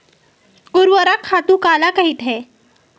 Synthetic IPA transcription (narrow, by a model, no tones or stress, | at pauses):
ɡuɾʋəɾakʰat̪ũːkalakəɦit̪ɦɛ